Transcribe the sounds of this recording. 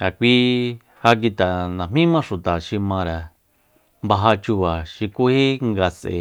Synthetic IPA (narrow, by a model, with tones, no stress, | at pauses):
a˨kʷi˧ | ha˧k̬i˧t̪a˨nã˨mĩ˦mã˦ʂu˨t̪a˨ʃi˧mã˧ɾa˨ | mba˧ɦa˧t͡ʃu˧βa˨ʃi˧ku˦he˦ŋɡa˧sḛ˧˨